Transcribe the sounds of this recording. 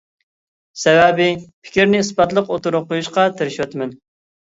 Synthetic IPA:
sɛwɛbɪpʰɪ̥kʲiɾnɪispɑt̪lˠəqot̪uɾʊp̚qʰːojuʃqɑt̪ʰeɾɪʃwɛt̪mɛn

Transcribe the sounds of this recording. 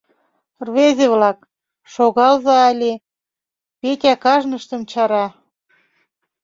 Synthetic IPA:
rβezʲeβlɑk̚ | ʃoɣɑlzɑːlʲe | petʲækɑʒnəʃt̪ə̆mt͡ɕɑɾɑ

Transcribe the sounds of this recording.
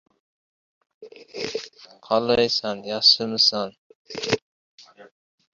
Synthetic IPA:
qʰɑlˠɑjsɑnjɑsɨmɨsɑn

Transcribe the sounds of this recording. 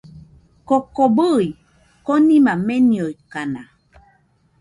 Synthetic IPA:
kokobəi | konĩmameniojkana

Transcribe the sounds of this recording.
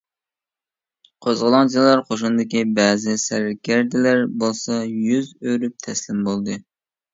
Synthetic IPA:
qʰozʁəlˠɑŋd͡ʒillˠɑɾqʰoʃ̬und̪ɪkʲibɛːzɪsæɾkʲæɾd̪ɪlæɾbolˠsɑjyzøɾyp̚t̪ʰɛslɪmbolˠd̪ɨ

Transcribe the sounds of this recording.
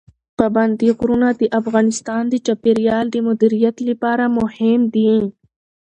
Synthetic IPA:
paband̪iɣɾunad̪əʔafɣɑnɪst̪ɑnd̪ət͡ʃapeɾijɑːld̪əmʊd̪iɾijat̪lipɑɾamʊhɪmd̪i

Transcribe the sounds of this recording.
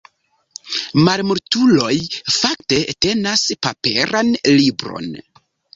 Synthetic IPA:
maɾmuɾtulo̞jfakte̞te̞naspa̰pe̞ɾanlibɾo̞̰n

